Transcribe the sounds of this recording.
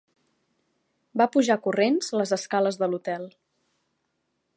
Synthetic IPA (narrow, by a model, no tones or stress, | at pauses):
bapuʒakurenzələzəskaləzðəlut̪ɛlˠ